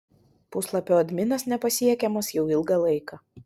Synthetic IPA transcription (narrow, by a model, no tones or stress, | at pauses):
pʊslˠɐpʲoːɐd̪ʲmʲɪnɐsnʲɛpɐsʲiɛkʲɛmɐsjɛʊɪlˠɡɐlˠɐɪkɑː